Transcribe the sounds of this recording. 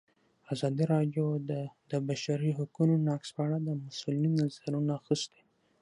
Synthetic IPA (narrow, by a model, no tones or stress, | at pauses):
azɑd̪iɾɑɖjod̪d̪əbaʃaɾiɦakunonɑkspəaɽad̪əmʊsʊlinːazaɾunaaxist̪e̥